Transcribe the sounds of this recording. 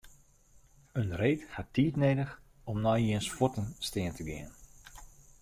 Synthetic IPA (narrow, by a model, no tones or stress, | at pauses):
ənreːthatːiːtneːdəx | ɔmnɔjiənsfɔtənstɪəntəɡɪ̰ən